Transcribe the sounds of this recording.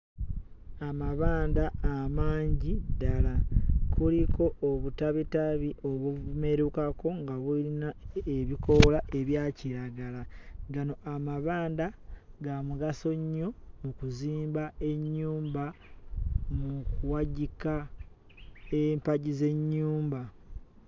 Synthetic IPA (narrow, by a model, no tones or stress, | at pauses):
amaβaːndaːmaːɲɟidalakulikʰo̞ʔːβutaβitaβiʔo̞βwume̞ɾukako̞ŋɡaβulinaeβiko̞laʔe̞βjaːciɾaɡalaɡano̞ʔamaβaːndaɡamuɡaso̞ɲːo̞mukuziːmbae̞ɲːuːmba | mukuwaɟika | empaɟize̞ɲːuːmba